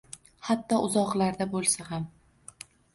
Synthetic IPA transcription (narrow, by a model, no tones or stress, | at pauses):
hat̪ːɒʔʊzɒqlˠaɾd̪abolˠsaham